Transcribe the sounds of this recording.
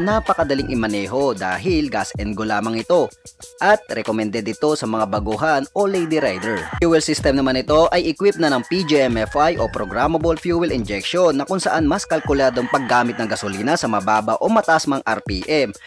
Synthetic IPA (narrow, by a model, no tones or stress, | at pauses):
napɐkɐd̪ɐliŋʔɪmɐnɛːɦo̞d̪a̰ːɦɪlɡasʔɛnɡolaːmɐŋɪt̪o̞ʔɐt̪̚ɾɛkomɛnd̪ɛd̪ɪt̪o̞sɐmɐŋabɐɡuɦɐnolɛjd̪iɾajd̪ɛɹjuːwɛlsist̪ɛmnɐmanɪt̪o̞ʔɐjʔɪkwɪp̚nɐnɐŋpid͡ʒiɛmɛfajʔopɾoɡɾamɐbɐlfjuːwɛlɪnd͡ʒɛk̚ʃonːɐkʊŋsɐʔanmɐskɐlkʊlaːd̪o̞ŋpɐɡːaːmɪt̪̚nɐŋɡɐsoliːnɐsɐmɐbaːbɐʔo̞mɐt̪aʔsmɐŋʔɐɾpiʔɛm